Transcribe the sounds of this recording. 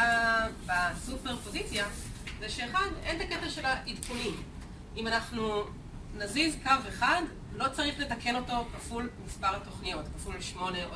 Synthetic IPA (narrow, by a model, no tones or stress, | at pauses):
basupeʁpo̞zit͡sja | zeʃeːχadent̪aket̪aʃe̞laʔidkunim | imanaχnu | nazizkaveχad | lo̞t͡saʁiχle̞take̞no̞to̞kafulmispaʁat̪o̞χnijo̞tkafulʃmo̞ne